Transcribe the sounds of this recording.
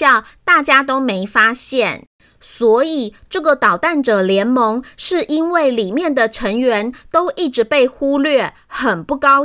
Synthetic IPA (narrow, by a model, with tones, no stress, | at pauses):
ɑ˥˨ʊt̪a˥˩t͡ɕja˥t̪o˥ʊme˧˥ɪfa˥ɕjɛ˥˨˩n | swɔ˧˥i˨˩ʈ͡ʂɤ˥˩ɡə˨˩t̪ɑ˨˩ʊt̪a˥˩nʈ͡ʂɤ˨˩ljɛ˧˥nmɤ˧˥ŋʂɻ̩˥˩ʔi˥nwe˥˩ɪli˨˩mjɛ˥˩nd̪ə˨˩ʈ͡ʂʰə˧˥ŋɥɛ˧˦˥nt̪o˥ʊʔi˥˩ʈ͡ʂɻ̩˧˥pe˥˩ɪxu˥lɥɛ˥˩ | xə˨˩npu˥˩kɑ˥ʊ